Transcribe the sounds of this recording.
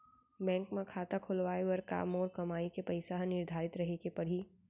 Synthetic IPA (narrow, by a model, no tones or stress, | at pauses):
bɛ̃ːŋkmẽkʰaːt̪akʰʊlʋaːeʋɐɾka̰ːmoːɾkɐmaːikepɐɪsaɦnɪɾd̪ʱaːɾɪt̪ɾɐɦekepɐɽ̤i